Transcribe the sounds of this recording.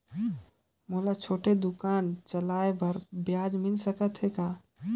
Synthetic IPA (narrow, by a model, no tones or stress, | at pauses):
mulat͡ʃʰoːʈed̪ʊkaːnt͡ʃəlaːebʱəɾbjaːd͡ʒmɪlsəkət̪ɦekaː